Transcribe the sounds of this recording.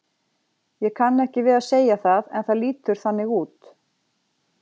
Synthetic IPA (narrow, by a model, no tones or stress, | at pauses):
jɛkʰanːɛhcɪvɪðaseːjaθaðɛnθaðliːt̪ʏɾ̥θanːɪɣuːt̪